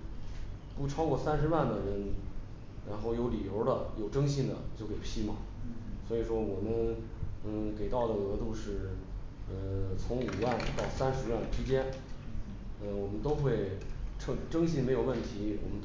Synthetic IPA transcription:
pu˥˩ʈ͡ʂʰɑ˥ʊkwɔ˥˩sa˥nʂɻ̩˧wa˥˩nd̪ə˩ɻə˧˥n | ɻa̰˧˥nxo˥˩ʊjo˧˥ʊli˨˩jo˧˥ʊd̪ə˧jo˨˩ʊʈ͡ʂɤ˥ŋɕi˥˩nd̪ə̰˩t͡ɕjo˥˩ʊke˨˩ɪpʰi˥mɐ̰˨swɔ˧˥i˨˩ʂwɔ˥wɔ˨˩mə˦n̩˥˧˩ | ke˨˩ɪt̪ɑ˥˩ʊd̪ə˩ɤ˧˥t̪u˥˧ʂɻ̩˥˩ | ə˧t͡sʰʊ˧˥ŋu˨˩wa˥˩nt̪ɑ˥˩ʊsa˥nʂɻ̩˧˥wa˥˩nʈ͡ʂɻ̩˥t͡ɕjɛ˥n | ə˥˧˩wɔ˨˩mə˦nt̪o˥ʊxwe˥˩ɪʈ͡ʂʰɤ˥˩ʈ͡ʂɤ˥ŋɕi˥˩nme˧˥ɪjo˨˩ʊwə˥˩nt̪ʰi˧˥wʔɔ̰˨˩mə˦nt̪

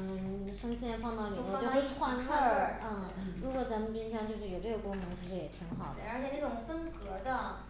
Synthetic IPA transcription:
ʂɤ˥ŋɕjɛ˥nfɑ˥˧ŋt̪ɑ˥˩ʊli˨˩˥t͡ɕxe˥˧˥wa˥˧nʰə˥˩n̩˥˩ | ɻu˧˥kwɔ˨˩t͡sa˧˥mə˧np̬i˥nɕjɑ˥˧ŋt͡ɕjʂɻ̩˥˩jo˨˩ʈ͡ʂɤ˥˩ɡə˩kʊ˥ŋnɤ˧˥ŋt͡ɕʰi˧˥ʂɻ̩˧˥jɛ˨˩t̪ʰi˧˥ŋxɑ˨˩d̪ə˦ə˞˧˥t͡ɕʰjɛ˨˩ʈ͡ʂə˥˩ʈ͡ʂʊ˨˩ŋfə˥nkɤ˧˥d̪ə˧

